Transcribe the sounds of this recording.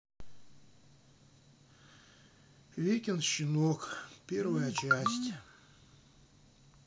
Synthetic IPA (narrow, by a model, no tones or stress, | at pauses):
vʲekʲɪnɕɪnokpʲervəjət͡ɕæsʲtʲ